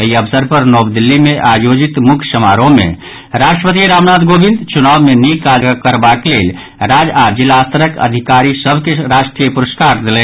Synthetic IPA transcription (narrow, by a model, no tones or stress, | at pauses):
ɐiəbsəɾpəɾnɔːbd̪ɪlːimẽʔaːjoːd͡ʒɪt̪mʊkʰʃəma̰ːɾõmḛ̃ | ɾaːʃʈɾəpət̪iɾaːʋnaːd̪ɡoːbɪ̃nd̪t͡ʃʊnaːʋmẽniːkaːd͡ʒɡakəɾbaklḛːl | ɾaːd͡ʒaːd͡ʒɪlaːst̪əɾəkə̰d̪ʱɪkaːɾisəbʱkeɾaːʃʈɾiəpʊɾəskaːɾd̪ɪlẽː